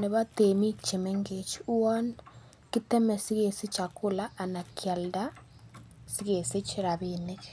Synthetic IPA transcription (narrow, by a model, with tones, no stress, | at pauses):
ne˨βa˦te˨mi˦kt͡ʃe˨mɛ˦ŋɡe˨t͡ʃu˦a˦n | kɪ˦t̪ɛ˦mɛ˨si˦ɣe˨si˦t͡ʃa˨kʊ˦la˦ʔːna˨kʰja˨lda˦ | si˦ɣe˨si˦t͡ʃi˦ɾa˨βine˦k